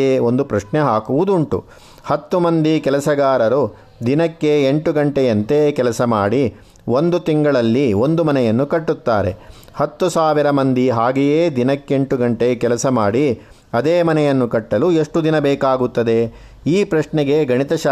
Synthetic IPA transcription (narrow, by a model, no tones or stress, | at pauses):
eo̞nd̪upɾɐʂɳeɦaːkuʋud̪uɳʈṵ | hɐt̪ːumɐnd̪ikɛlɐsɐɡaːɾɐɾu | d̪inɐkːe̞eɳʈuɡɐɳʈejɐnt̪ekɛlɐsɐmaːɽi | ʋo̞nd̪ut̪iŋɡɐɭɐlːio̞nd̪umɐnɛjɐnːukɐʈːut̪ːaːɾe̞̰ | hɐt̪ːusaːʋiɾɐmɐnd̪iɦaːɡijeːd̪inɐkːe̞ɳʈuɡɐɳʈekɛlɐsɐmaːɽi | ɐd̪eːmɐnɛjɐnːukɐʈːɐlueʂʈud̪inɐbɛːkaːɡut̪ːɐd̪e̞ | iːpɾɐʂɳɛɡe̞ɡʱɐɳit̪ɐʃ